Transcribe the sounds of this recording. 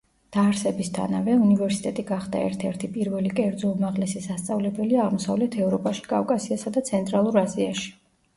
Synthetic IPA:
d̪̥aːɾsɛbist̪ʰa̰navɛunivɛɾsi̥t̪ʼɛt̪ʼiɡaχd̪a̰ɛ̰ɾt̪ʰɛɾt̪ʰipʼiɾvɛlikʼɛɾd̪zɔumaʁlɛsisast̪sʼavlɛbɛliaʁmɔsa̰vlɛt̪ʰɛvɾɔpʼaʃi̥kʼavkʼasiasad̪at̪sʰɛnt̪ʼɾalˠuɾaziaʃi̥

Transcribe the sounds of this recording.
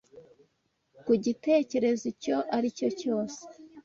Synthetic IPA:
kuɟite̞ːce̞ɾe̞zico̞ʔaɾico̞co̞ːse̥

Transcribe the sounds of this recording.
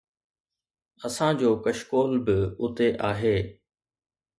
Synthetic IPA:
ɐsãd͡ʑoːkɐʃkoːlbɪʊt̪eʔaːɦeː

